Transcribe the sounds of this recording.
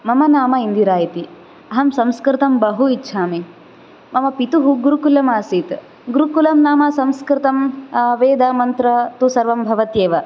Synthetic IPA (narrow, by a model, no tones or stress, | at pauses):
mɐmɐnaːmɐind̪iɾaːjit̪i | ɐɦɐmsɐmskɾɪt̪ɐmbɐɦuitːʃʰaːmi | mɐmɐpit̪uɦuɡuɾukulɐmaːsit̪ | ɡuɾukulɐmnaːmɐsɐmskɾɪt̪ɐmʋeːd̪amɐnt̪ɾɐt̪usɐɾʋɐmbʱɐʋɐt̪jeːʋɐ